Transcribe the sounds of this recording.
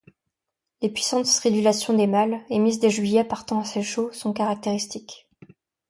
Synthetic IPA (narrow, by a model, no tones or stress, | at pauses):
lepɥisɑ̃t̪sχibylasjɔ̃d̪emalemizd̪eʒɥijɛpaʁt̪ɑ̃aseʃosɔ̃kaʁak̚t̪eʁist̪ik